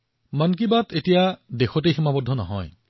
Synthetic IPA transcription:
mank̬ibatetijadexɔtejximabɔdʱːɔnɔɦɔ̰j

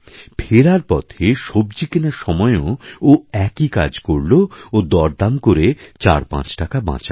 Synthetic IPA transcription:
pʰeɾaɾpɔt̪ʰeʃobd͡ʑikenaɾʃɔmɔeooɛkika̰d͡ʑkoɾloːd̪ɔɾd̪amkoɾet͡ɕa̰ɾpã̰t͡ɕʈakabã̰t͡ɕa

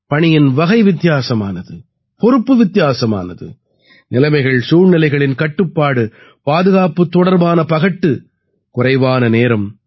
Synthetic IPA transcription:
pɐɳɪjɪnʋɐɣɐɪʋɪt̪ːɪjaːsɐma̰ːnɐðɯ | pɔɾɯpːɯʋɪt̪ːɪjaːsɐma̰ːnɐ̰ðɯ̰ | nɪlɐmɐɪɣɐɭsuːɻnɪlɐɪɣɐɭɪnkɐʈːɯpːaːɽɯ | paːðɯɣaːpɯt̪ːɔɽɐɾbaːnɐpɐɣɐʈːɯ | kʊrɐɪʋaːnɐneːɾɐm

